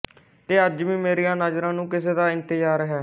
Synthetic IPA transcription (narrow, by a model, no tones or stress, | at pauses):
t̪eːəd͡ʒʋĩːmeːɾijãːnaːd͡ʒɾãːnũːkɪseːd̪aːɪ̃nt̪ɪd͡ʒaːɾɦɛː